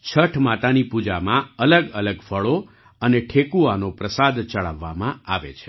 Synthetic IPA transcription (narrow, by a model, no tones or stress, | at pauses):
t͡ʃʰəʈʰmat̪anipud͡ʒamãələɡələɡfʰəɭo | əneʈʰekuanopɾəsad̪t͡ʃəɭa̰ʋːa̰mãaʋḛt͡ʃʰe̥